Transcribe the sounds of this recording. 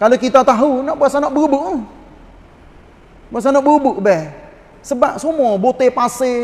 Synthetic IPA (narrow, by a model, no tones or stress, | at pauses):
kalokit̪at̪aɦunɔʔbuaʔsanɔʔbəbuʔ | baʔsanɔʔbubuʔbɛh | səbap̚somɔbot̪epase